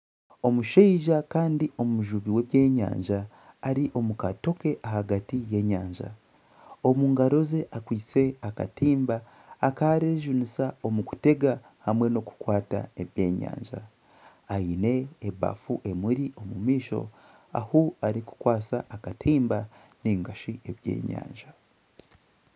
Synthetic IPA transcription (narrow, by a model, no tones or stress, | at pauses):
o̞muʃeiʒakaːndio̞muʒuβiwe̞βjeːɲa̰ːɲʒaː | ɾiʔo̞mukato̞ke̞ʔahaɡatije̞ːɲaːɲʒa̰ | o̞muːŋɡaɾo̞ze̞ʔakwiːt͡se̞aka̰tiːmbaː | kaɾeʒunisao̞muku̥te̞ɡa | hamwe̞no̞ku̥kwaːta̰e̞βje̞ːɲa̰ːɲʒa̰ | aine̞ːβa̰fuʔe̞muɾiʔo̞mumiːʃo̞̰ | a̰huaɾiku̥kwaːsaʔːkatʰiːmba | niːŋɡaʃie̞βje̞̰ːɲa̰ːɲʒa